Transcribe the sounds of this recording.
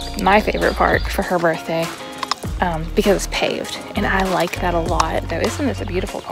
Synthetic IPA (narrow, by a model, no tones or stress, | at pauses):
maɪfeɪvə̰˞ɨ̰t̚pʰɑ̰ɹkfə˞ə˞bɜ˞θd̥eɪ | ʔʌ̃mb̥ɨkʰʌzɨtspʰḛɪvd̥ | ɨ̃ñaɪlaɪk̚ðɨɾəlɔtðoʊɪsn̩ðɪsɨbjʉɾɨfl̩ˠpʰ